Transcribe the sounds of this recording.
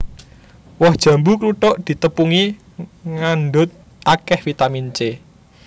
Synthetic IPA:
wɔhd̥ʒ̥ä̤mbukluʈɔʔd̪̥i̤t̪əpuŋi | ŋanɖʊt̪̚ | ʔakɛhfit̪amint͡ʃe

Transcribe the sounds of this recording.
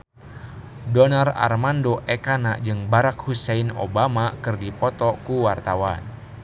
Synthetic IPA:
dɔnara̰rmandoʔɛkanaʔd͡ʒɨŋbaɾakhusɛino̰bamakɨrdipɔt̪ɔkuwart̪awan

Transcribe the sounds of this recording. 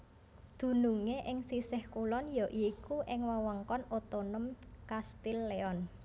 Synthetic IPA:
d̪̥ṳnuŋeʔɪŋsisɪhkulɔnjɔʔiːkuʔɪŋwawɔŋkɔnot̪onəmkast̪ilːeɔn

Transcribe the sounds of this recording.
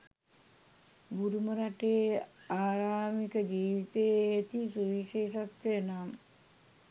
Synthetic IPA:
buɾuməɾaʈeːaːɾaːmikəd͡ʒiːʋit̪eːt̪isuʋiʃeːʃat̪ʋejənam

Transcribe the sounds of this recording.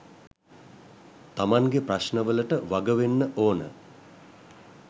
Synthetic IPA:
t̪amaŋɡepraʃnəʋələʈəʋaɡəʋenːəʔoːnə̰

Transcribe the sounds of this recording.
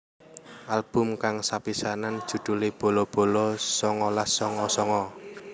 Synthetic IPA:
ʔalb̥ʊ̤mkaŋsapisanand̥ʒ̥ṳd̪̥ṳlib̥o̤lɔb̥o̤lɔsɔŋɔlasɔŋɔsɔŋɔ

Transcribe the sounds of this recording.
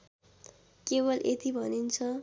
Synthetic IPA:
kebʌlʔet̪ibʱʌnint͡sʰʌ

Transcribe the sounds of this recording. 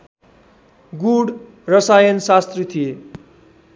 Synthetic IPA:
ɡuɽ | rʌsajʌnsast̪rit̪ʰije

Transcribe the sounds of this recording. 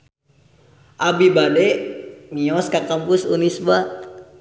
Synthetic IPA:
ʔabibadɛʔmiɔskakampusunisba

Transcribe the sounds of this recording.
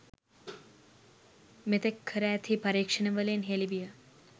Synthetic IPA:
met̪ekʰːəɾɛːt̪ʰipɐɾiːkʂɐnɐʋəleːnɦeːlibijə

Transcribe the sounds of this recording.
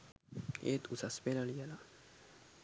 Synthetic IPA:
ḛt̪usaspelaliala

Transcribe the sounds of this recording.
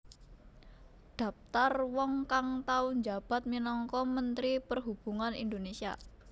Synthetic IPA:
ɖ̪̥ä̤p̚t̪arwɔŋkaŋt̪aund͡ʒa̤b̥a̤t̪̚minɔŋkɔmənt̪ɾipərɦub̥ṳŋanḭnd̪onesia̰

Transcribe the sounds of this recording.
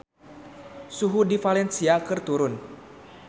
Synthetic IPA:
suɦudifalɛnsiakɨrt̪uɾʊn

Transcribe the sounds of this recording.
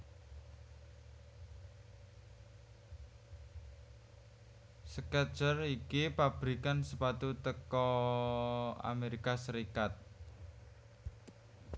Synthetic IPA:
səkɛ̥t͡ʃərikipab̥ɾikansəpat̪ut̪əkɔ | a̰meɾikasəɾikat̪̚

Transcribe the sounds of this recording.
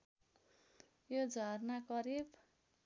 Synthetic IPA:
jod͡zʱʌrnakʌɾib

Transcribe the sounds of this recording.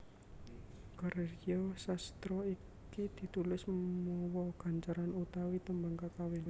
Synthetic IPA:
ɡ̥aɾeriɔsast̪ɾɔi | kid̪̥i̤t̪ulɪsmmɔwɔɡ̥a̤ɲt͡ʃaɾanut̪awit̪əmbaŋkakawɪn

